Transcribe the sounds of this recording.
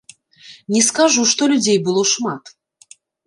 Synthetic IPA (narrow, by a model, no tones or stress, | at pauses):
nʲɛskaʐuʂt̪ɔlʲud͡zʲejbɨlˠɔʂmat̪